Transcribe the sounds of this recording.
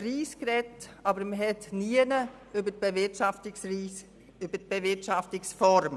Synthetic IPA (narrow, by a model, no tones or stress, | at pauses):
riːskrɛtɑbəɾməɦɛtniənə | ʏbətbɪtɑftsis | ʏbət̚b̥evɪɾtʃɑftɪksfɔɾm